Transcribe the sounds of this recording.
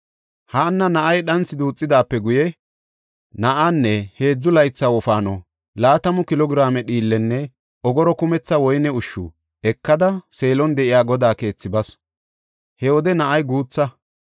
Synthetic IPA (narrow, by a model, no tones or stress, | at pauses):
haːnːɐnɐʔɐjɗɐnt͡sːɪd̪uːt͡sʼːɪd̪aːpːɛɡʊjɛ | nɐʔanːɛhe̞ːd͡zːʊlɐjt͡sːawɔfaːnɔ̰ | laːt̪ɐmʊkɪlɔɡɪɾaːmɛɗiːlːɛnːɛ | ɔɡɔɾɔkʊmɛt͡sːɐwɔjnɛʊʃːʊ̰ | ɛkːɐd̪ɐse̞ːlɔnd̪ɛʔɪjaːɡɔd̪aːke̞ːt͡sːɪbɐs | hɛwɔd̪ɛnɐʔɐjɡuːt͡sːɐ